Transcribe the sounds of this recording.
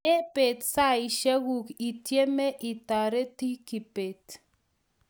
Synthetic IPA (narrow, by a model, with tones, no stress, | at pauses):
e˦pe˨tsa˦ɪ˨ʃa˦ɡu˨ki˨tje˦me˦ʔi˨ta˨ɾe˦ti˦ki˨pe˨t